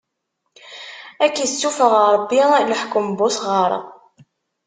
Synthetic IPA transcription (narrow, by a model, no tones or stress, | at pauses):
ækːəsːufəʁɑɾˤəbːiləħkʊmbʊsʁəɾˤə̰